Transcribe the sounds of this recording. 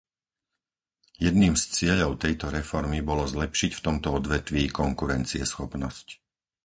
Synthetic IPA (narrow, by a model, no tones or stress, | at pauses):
jɛd̪niːmst͡sɪɛʎɔʊt̪ɛjt̪ɔɾɛfɔɾmibɔlɔzlɛpʃicft̪ɔmt̪ɔɔd̪ʋɛt̪ʋiːkɔŋkuɾɛnt͡siɛsxɔpnɔsc